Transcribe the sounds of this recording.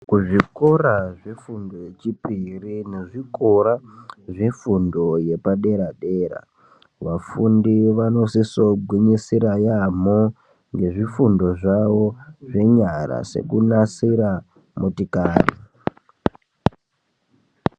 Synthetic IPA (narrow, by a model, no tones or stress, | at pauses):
kuʐiko̞raʐe̞fundo̞jet͡ʃipirine̞ʐikoɾaʐe̞fundo̞je̞paɗe̞ɾaɗe̞ːɾa̰ | ʋafundiʋano̞siso̞ɡʱwiɲisiɾajamo | ŋɡe̞ʐifundo̞ʐaʋo̞ʐe̞ɲaɾa̰se̞̰kunasiɾa | motikaːrḭ